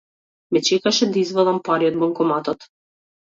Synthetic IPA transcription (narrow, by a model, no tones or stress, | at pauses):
mɛt͡ʃɛkaʃɛd̪aizvɛd̪ˠampaɾiɔd̪̚bɔŋkɔmat̪ɔt̪